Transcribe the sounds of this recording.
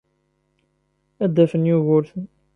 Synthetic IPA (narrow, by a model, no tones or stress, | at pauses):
æd̪ːæfənjuɣʊɾθən